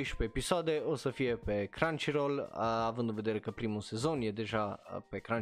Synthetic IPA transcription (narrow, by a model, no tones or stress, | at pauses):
iʃpeːpisoad̪eosəfiepekɾant͡ʃiɾoləavənd̪nved̪eɾekəpɾimusezonjɛd̪eʒapekɾan